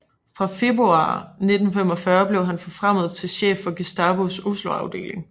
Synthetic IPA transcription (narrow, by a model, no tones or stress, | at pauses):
fʁɑ̈fe̝b̥ʁuɑ̰̈ːne̝d̥n̩fem̰ɒ̽fɶɐb̥le̝ʊɦænfɒ̽fʁam̰ð̩ˠt͡sʰe̝lɕḛːfɒ̽ɡ̥esd̥ɑ̈ːb̥osusloɑ̈ʊd̥e̝̰ːle̝ŋ